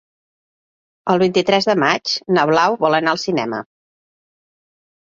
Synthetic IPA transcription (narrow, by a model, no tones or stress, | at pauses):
əlˠβint̪it̪ɾɛzðəmat͡ʃnəβlawβɔlˠənaəlˠsinɛ̰mə̰